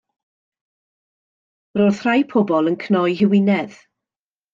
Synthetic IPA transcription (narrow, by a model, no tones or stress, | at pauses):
roð̥r̥ajpʰɔbɔlˠənkʰnɔjɦɪwɪnɛð̥